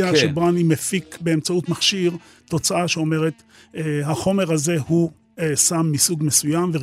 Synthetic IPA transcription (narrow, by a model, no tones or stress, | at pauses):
aʃebanimefikbeemt͡sautmaχʃiʁ | to̞t͡saaʃeo̞me̞ʁet̪ː | haχo̞me̞ʁhaze̞hu | esamːisuɡme̞sujamve